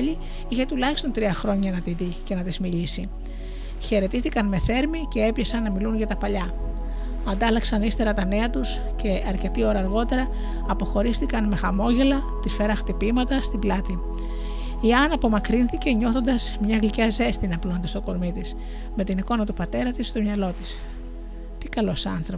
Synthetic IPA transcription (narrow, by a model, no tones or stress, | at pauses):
ʎi | içe̞t̪ulɐçi̥st̪o̞nt̪ɾiɐxɾo̞ɲɐnɐt̪iðice̞nɐt̪izmiʎisi | çe̞ɾe̞t̪iθikɐnme̞θe̞ɾmice̞e̞pçesɐnːɐmilunʝɐt̪ɐpɐʎɐ | ɐnd̪ɐlɐksɐnist̪e̞ɾɐt̪ɐne̞ɐt̪us | ce̞ɐɾce̞t̪io̞ɾɐːɾɣo̞t̪e̞ɾɐː | po̞xo̞ɾist̪ikɐnme̞xɐmo̞ʝe̞lɐ | t̪isfe̞ɾɐxt̪ipimɐt̪ɐst̪iblɐt̪i | iɐnɐpo̞mɐkɾinθice̞ɲo̞θo̞nd̪ɐz̥mɲɐɣliceɐze̞st̪inɐplo̞nd̪ɐst̪o̞ko̞ɾmit̪is | me̞t̪iniko̞nɐt̪upɐt̪e̞ɾɐt̪ist̪omɲɐlo̞t̪is | t̪ikɐlo̞sɐnθɾo